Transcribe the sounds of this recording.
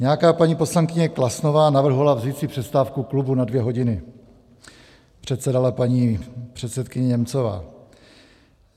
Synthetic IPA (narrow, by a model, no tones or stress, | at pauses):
ɲɛjakaːpaɲiːpo̞slaŋkɪɲɛklasno̞vaːnavr̩ɦolavzit̪t͡sɪpr̥ɛst̪aːfkuklubunadvjɛɦo̞ɟɪnɪ | pr̝̥ɛt̪sɛdalapaɲiːpr̝̥ɛt̪sɛt̪kɪɲɛɲɛmt͡sova̰ː